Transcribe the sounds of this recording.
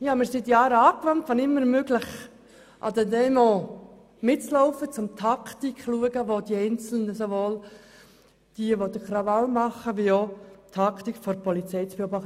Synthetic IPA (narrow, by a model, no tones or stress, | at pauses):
jɑmɪɾsit̪jɑːɾəɑːkʋɑnt̪fɑnɪmːəɾmøɡləχ | ʔɑ̰d̪ɛdɛmɔ | mɪt͡slɔʊfət͡sʊmt̪ʰɑkt̪ikχluəɡəʋod̪iɛɪnt͡sl̩nəsoʋoːl | d̥iəʋod̪əkɾɑʋɑlmɑχːəʋiot̪ʰɑkt̪ikfɔɾpɔlit͡sɛɪt͡sb̥eobɑχt